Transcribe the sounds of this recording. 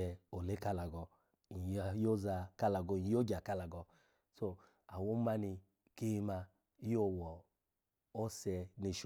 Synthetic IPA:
ɛ˧o˨le˦ka˦la˨ɡɔ˧ | i˨jjo˦za˧ka˦la˨ɡɔ˧˨ɲi˨jo˦d͡ʒa˨ka˦la˨ɡɔ˧ | so˧ | a˨wo˦ma˦ni˧ | ke˦˧ma˧ | i˦jo˦˨wɔ˨ | o˦sɛ˧ni˧ʃ

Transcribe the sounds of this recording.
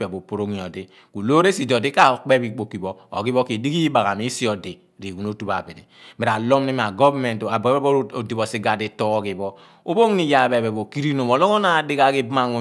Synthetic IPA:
e˨bo˨po˨ɾo˦ŋi˨o˨di˦ | ku˨lo˦ɾe˦si˨dɔ˨di˦ka˦˨k͡pe˦bi˨k͡po˨ki˨bɔ˦o̰˨ɡi˦bɔ˦ki˨di˦ɡi˦ba˨ɣa˨mi˦si˦ɔ˨di˨ | ɾi˨ɡu˨no˦tu˦ba̰˨bi˨dḭ˨me˨ɾa˨lo˦mni˦m˨a˨ɡɔ˦vme˨nta˨bɛ˦bo˦˨di˨bɔ˨si˦ɡa˨di˨tɔ˦o˦ɡi˨bɔ˦ | o˦bo˦ŋ˦ni˨ja˨be˨be˨bo˨ki˦ɾi˦no˨bo˨lo˦o˦na˨di˦ka˨ki˦bma˨ŋo˨

